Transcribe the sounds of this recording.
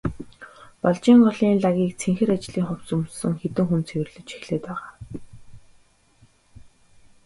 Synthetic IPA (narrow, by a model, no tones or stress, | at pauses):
pɔɮt͡ɕiːŋɢɔɮiːnɮaɣʲiːk̚t͡sʰeŋxɘ̆ɾat͡ɕɮiːŋχɔwt͡sumsɘ̆ŋxet̪ɘ̆ŋxunt͡sʰewɘ̆rɮɘ̆t͡ɕi̥xɮeːt̪pæːʁaː